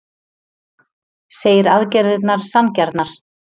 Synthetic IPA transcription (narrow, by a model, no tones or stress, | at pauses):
seːjɪɾaðcɛɾðɪt̪naɾ̥sancɛɾt̪naɾ̥